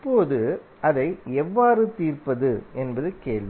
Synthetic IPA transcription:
pːoːðɯ | ɐðɐɪɛʋːaːɾɯt̪iːrpɐðɯɛnbɐðɯkeːɭʋ

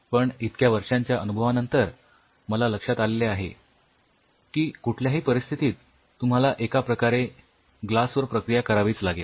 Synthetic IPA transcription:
pəɳit̪̚kjaʋəɾʂãɲt͡ɕjaʔənubʱəʋanənt̪əɾ | məlaləkʂat̪aleleaɦḛ | kiːkuʈʰljaɦiːpəɾist̪ʰit̪iːt̪ː | um̤alaʔekapɾəkaɾe | ɡlasʋəɾpɾəkɾijakəɾaʋiːt͡slaɡel

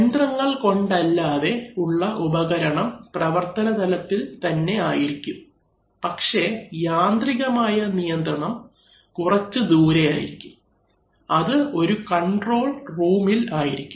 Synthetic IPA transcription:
nd̪rɐŋːɐɭko̞ɳɖɐlːaːðe̞uɭːɐʔubɐɣɐɾɐɳɐmprɐʋɐrt̪ɐnɐd̪ɐlɐt̪ːilt̪ɐnːe̞aːjiɾikʲːum | pɐkʂe̞jaːnd̪riɣɐmaːjɐnijɐnd̪rɐɳɐm | kurɐt͡ɕːɨd̪uːɾeja̰ːjḭɾikʲːum | ɐðɨo̞ɾukɐɳɖro̞ːɭruːmilaːjiɾikʲːu

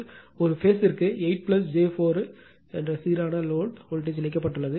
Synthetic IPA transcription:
ɔɾɯfeːsɪɾɯkːɯɛɪʈ̚plɐsd͡ʒeːfoːɾ | ɛndrɐsiːɾaːnɐloːɖhɔlʈ̬eːd͡ʒɛnɪkːɐpːɐʈːɯɭːɐðɯ

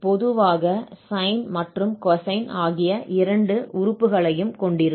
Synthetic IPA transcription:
pɔðɯʋaːɣɐsɐɪnmɐʈrɯmkɐsɐɪnaːɣɪjɐʔɪɾɐɳɖɯʔʊɾʊpːɯɣɐɭɐjɯmkɔɳɖɪɾɯ

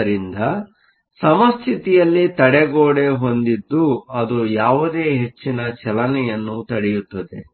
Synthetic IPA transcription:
ɾind̪ɐ | sɐmɐst̪ʰit̪ijɐlːit̪ɐɽɛɡoːɽe̞ɦo̞nd̪id̪ːuɐd̪ujaːʋud̪e̞ːɦe̞t͡ʃːinɐt͡ʃɛlɐnɛjɐnːut̪ɐɽɛjut̪ːɐd̪e̞̰

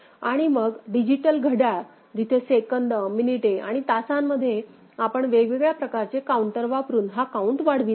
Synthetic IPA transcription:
aɽ̃iməɡɖid͡ʑiʈəlɡʱəɽaɭ | d͡ʑ̪it̪ʰesekəɳɖəminiʈea̰ɽ̃it̪asamːəd̪ʱːje | apəɳʋeɡʋeɡɭjapɾəkaɾt͡ɕekauɳʈəɾʋapəɾuːnɦakauɳʈʋaɽ̤ʋi

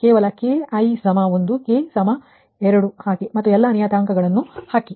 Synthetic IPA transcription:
keːʋɐlɐkeːɐjsɐmɐond̪ukeːsɐmɐ | ɛɾɐɽuhaːkimɐt̪ːuɛlːɐnijaːt̪aːŋkɐɡɐɭɐnːuhaːki

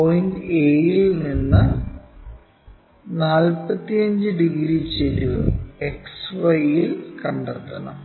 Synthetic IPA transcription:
pojindeːjilninːɨ | naːlpɐt̪ːijɐɲd͡ʑɨɖiɡɾit͡ɕelueksʋɐjilkɐɳɖɐrt̪ːɐnɐ̰m

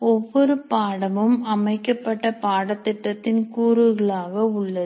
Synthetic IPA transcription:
ɔʋːɔɾɯppaːɽɐmɯmɐmɐɪkːɐpːɐʈːɐpaːɽɐt̪ːɪʈːɐt̪ːɪnkuːɾɯɣɐɭaːɣɐʊɭːɐðɯ

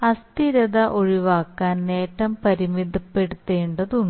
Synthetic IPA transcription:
ɐst̪iɾɐðɐʔoɻiʋaːkːaːnne̞ːʈːɐmpɐɾimid̪ʱːɐpːe̞ɽut̪ːe̞ːɳɖɐðuɳ

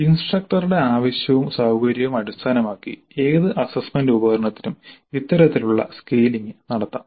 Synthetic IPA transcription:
insʈrɐk̚ʈɐruɽe̞aːʋɐɕjɐʋumsaːwɡɐɾjɐʋumɐɽust̪ʰaːnɐmaːkːḭ | e̞ːðɨʔɐsɐsmendubɐɣɐɾɐɳɐt̪ːinumit̪ːɐɾɐt̪ːiluɭːɐ̰skeːliŋɡɨnɐɽɐt̪ːa̰ːm

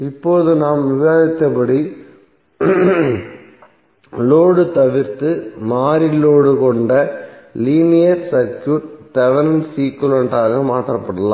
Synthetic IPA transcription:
ɪpːoːðɯnaːmʋɪʋaːɣɪt̪ːɐpɐɽi | loːɽɯt̪ɐʋɪɾt̪ɯmaːɾɪloːɽɯkɔɳɖɐliːnɪjɐɾsɐɾkjuːʈtɐʋɐɾɐnsiːkːɯlɐɳʈaːɣɐmaːʈ̪ːrɐpːɐɽɐlã̰ː

